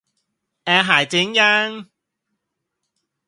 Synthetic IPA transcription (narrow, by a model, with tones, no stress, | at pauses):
ɛ˨˧ɦaː˨˩jt͡sɪ˨˥ŋja˧˥ŋ